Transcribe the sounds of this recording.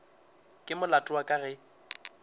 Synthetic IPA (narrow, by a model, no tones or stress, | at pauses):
kʼɪmʊlatʼʊakʼaɣɛ